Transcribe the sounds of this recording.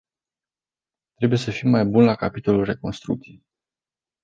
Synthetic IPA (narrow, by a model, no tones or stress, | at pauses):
t̪ɾe̞buje̞səfimːajbunlakapit̪o̞lulre̞ko̞nst̪ɾṵk̚t̪sije